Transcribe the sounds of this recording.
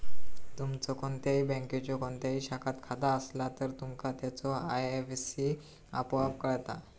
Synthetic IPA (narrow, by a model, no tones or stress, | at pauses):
t̪umt͡sɔkont̪jaɦiːbə̃ŋket͡ɕɔkɔnt̪jaɦiːɕakʰat̪kʰad̪aəslat̪əɾt̪umkat̪jat͡sɔajefsi | a̰pʋapkəɭt̪a̰